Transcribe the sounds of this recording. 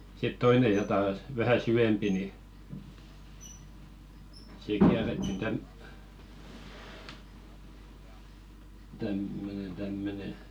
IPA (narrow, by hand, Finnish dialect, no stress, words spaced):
sit toine jɑtɑˑ s ʋæhæ sywempi ni siːk kiæretːin tæm tæmːønen tæmːøne